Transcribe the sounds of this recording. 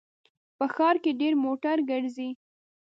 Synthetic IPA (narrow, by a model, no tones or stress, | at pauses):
pəxɑɾkeɖeɾmoʈaɾɡəɽzi